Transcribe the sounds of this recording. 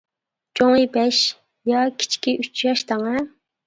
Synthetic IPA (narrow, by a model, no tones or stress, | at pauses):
t͡ʃʰoŋɨjbɛʃ | jɑkʲʰi̥t͡ʃʰkʲiʔyt͡ʃʰjɑʃt̪ʰɑŋɛ